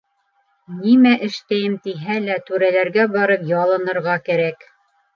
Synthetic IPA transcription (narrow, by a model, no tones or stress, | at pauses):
nimæʔɘ̆ʃt̪æjɘmt̪iɦælæt̪ʉɾælæɾɡæbɑɾɤpjɑlˠɤ̆nɤ̆ɾʁɑkæɾæk